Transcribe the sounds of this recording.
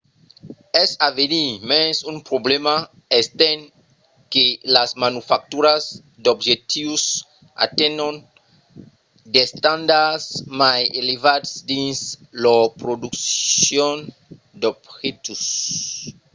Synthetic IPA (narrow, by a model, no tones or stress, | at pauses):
ɛsavenimesũmpɾoblema | est̪ẽn | kelasmanufak̚t̪uɾaz | d̪obʒet̪ivus | a̰t̪ẽnõn | d̪est̪ãnd̪aɾsmajelevad̪sd̪ĩnslopɾod̪uksjõn | d̪obxet̪us